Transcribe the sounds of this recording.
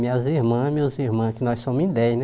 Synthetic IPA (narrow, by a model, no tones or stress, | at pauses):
mĩɐziɾmɐ̃mewziɾmɐ̃kɪnɔjssõmʊzĩd̪ɛjnɛ